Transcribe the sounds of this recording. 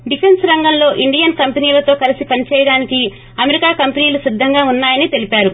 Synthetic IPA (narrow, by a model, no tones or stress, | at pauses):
ɖipʰe̞nsɾɐŋɡɐmlo̞ːʔiɳɖijɐnkɐmpeniːlɐt̪o̞ːkɐlisipɐnit͡ʃɛːjɐɽaːniki | ɐmeɾikaːkɐmpeniːlusid̪ʱːɐŋɡaːunːaːjɐnit̪e̞lipaːɾu